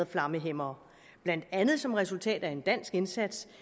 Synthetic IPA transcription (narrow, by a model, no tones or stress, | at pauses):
ðˠflɑ̈məɦem̰ɐː | b̥læn̰d̥ænð̞̩ˠsɒ̽mʁɛsult͡sʰɛ̰ːd̥æe̝nd̥æn̰sɡ̥e̝nsæd̥s